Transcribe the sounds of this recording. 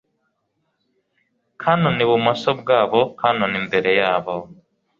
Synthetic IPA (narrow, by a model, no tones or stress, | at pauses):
kʰanoniβumasob̚ɡaːβo̞kʰanonimbe̞ɾe̞jaːβaho